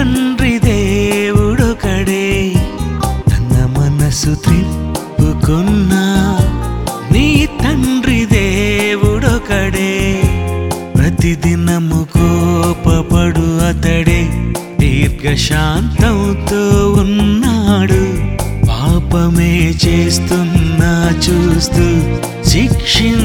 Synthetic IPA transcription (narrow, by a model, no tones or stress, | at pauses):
ɐnɖɾid̪eːʋuɽokɐɽe | t̪ɐnɐmɐnɐsut̪ɾi | pukunːɐ | niːt̪ɐnɾid̪eʋuɽokɐɽe | pɾɐt̪id̪inɐmukʰopɐpɐɽuɐt̪ɐɽet̪iːɾɡɐʃaːnt̪ɐwt̪ounːaːɽupaːpɐmeːt͡ʃeːst̪unːɐt͡ʃuːst̪u | ʃikʂi